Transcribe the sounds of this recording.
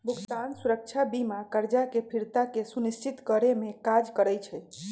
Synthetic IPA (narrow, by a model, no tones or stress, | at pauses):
bʱukt̪ansuɾək̚t͡ʃʰabimakəɾd͡ʒakepʰiɾt̪akesunist͡ʃit̪kəɾemekad͡ʒkəɾəjt͡ʃʰɛ